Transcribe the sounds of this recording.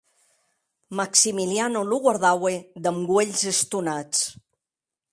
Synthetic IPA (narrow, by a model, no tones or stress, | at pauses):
maksimilianoluɣwaɾðawed̪əmɡweʎzəst̪unat͡s